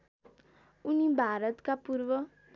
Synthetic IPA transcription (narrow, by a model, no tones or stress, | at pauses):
unibʱaɾʌt̪kapuɾʋʌ